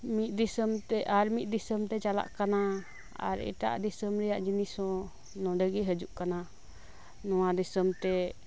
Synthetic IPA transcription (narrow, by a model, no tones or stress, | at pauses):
mit̪̚ˀd̪isəmt̪ɛʔaɾmit̪̚ˀd̪isəmt̪ɛt͡ʃala̰ʔkana | a̰ɾɛ̰ʈa̰ʔd̪isəmɾɛjaʔd͡ʒinisɔ̃ | nɔ̃ɖəɡiɦəd͡ʒuʔkana | nɔwad̪isəmt̪ɛ